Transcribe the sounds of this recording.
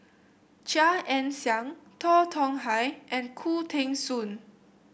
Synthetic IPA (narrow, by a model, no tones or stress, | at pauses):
t͡ʃaʔɛ̃nsjaŋt̪ʰɔt̪ʰɔ̃ŋɦajʔɛ̃nkʰut̪ʰẽŋsun